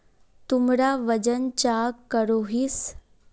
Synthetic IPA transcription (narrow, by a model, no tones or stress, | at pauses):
t̪umɾaʋəd͡ʒənt͡ɕakkːəɾoɦis